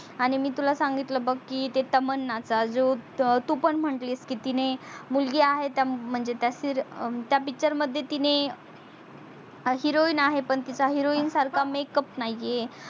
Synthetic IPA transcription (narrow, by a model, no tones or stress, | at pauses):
aɽ̃imiːt̪ulasãŋɡit̪ləbəkkːit̪et̪əmənːat͡sad͡zot̪upəɳm̤əʈliːskiːt̪inemulɡiaɦet̪jam̤əɳd͡zet̪jasiɾt̪japit͡ɕəɾməd̪ʱːjet̪ine | ɦiɾoiːnaɦepəɳt̪it͡ɕaɦiɾoiːnsaɾkʰamekəpnaje